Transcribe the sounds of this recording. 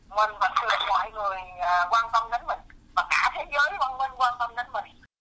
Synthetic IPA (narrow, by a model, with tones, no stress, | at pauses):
ŋwə˨˧˩nvə˨˦nt̪ɨ˨˩əŋmɔ̰˧˨jŋɨ˨˩əjəː˨˩kwaː˧nt̪ə˧mɗə˨˦˥nmə˨˩ŋvaː˨˩ka̰ː˧˩˦t̪ʰe˧˦˥zəː˨˦jvaː˧ŋŋwə˧nkwaː˧nt̪ə˧mnə˨˦nmə˨˩ŋ̚